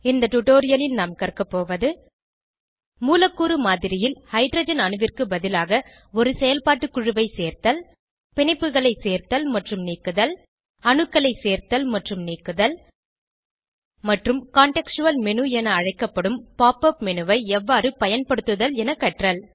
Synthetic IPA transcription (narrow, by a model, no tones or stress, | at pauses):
ɪnd̪ɐʈʊʈoːɾɪjɐlɪlnaːmkɐrkɐpːoːʋɐðɯ | muːlɐkːuːɾɯmaːðɪɾɪjɪlhɐɪɖɾɐːd͡ʒɐnɐnɯʋɪrkɯbɐðɪlaːɣɐ | ɔɾɯsɛjɐlpaːʈːɯkːʊɻɯʋɐɪseːɾt̪ɐl | pɛɳɪpːɯɣɐɭɐɪseːɾt̪ɐlmɐʈrɯmniːkːɯðɐl | ɐɳɯkːɐɭɐɪseːɾt̪ɐlmɐʈrɯmniːkːɯðɐl | mɐʈrɯmkaːɳʈɛkʂɯʋɐlmɛnɯɛnɐːɻɐɪkːɐpːɐɽɯmpaːpɐpmɛnɯʋɐɪɛʋːaːɾɯpɐjɐnpɐɽɯt̪ːɯðɐlɛnɐkːɐʈrɐl